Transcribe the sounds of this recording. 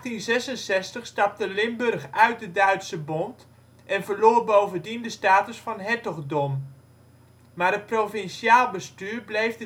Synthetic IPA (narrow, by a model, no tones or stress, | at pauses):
tinzɛsənsɛstəχstɑp̚təlɪmbɵrχœɥt̚dədœɥtsəbɔnt | ʔɛnvəɹloːrbowvəndindəstaːtəsfɑnɦɛtɔɣdɔm | maːɾət̚provɪnsjaːlˠbəstyːɹblejvdə